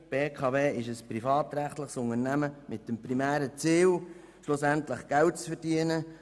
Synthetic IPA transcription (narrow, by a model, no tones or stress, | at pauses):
b̥eːkʰɑːveːɪʃəspɾifɑːt̪ɾæχt̪ləχsʊŋənæməmɪt̚dəmpɾimæːɾət͡siːl | ʃlʊsæntlɪχɡ̥ælt̚t͡sfɛɾd̥iənə